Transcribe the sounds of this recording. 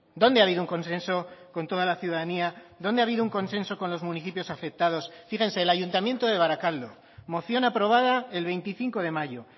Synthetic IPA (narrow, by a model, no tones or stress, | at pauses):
d̪o̞nd̪eaβiðouŋko̞nsẽ̞nso̞ko̞nt̪o̞ð̞alaθjuðaðaniaðo̞nd̪eaβiðouŋko̞nse̞nso̞ko̞nlo̞zmũniθipjo̞safe̞k̚t̪að̞o̞sfiɣẽ̞nse̞ːlaʝunt̪amjent̪oðe̞β̞aɾakald̪o̞ | mo̞θjo̞napɾo̞β̞aðaelβe̞jnt̪iθiŋko̞ð̞e̞maʝo̞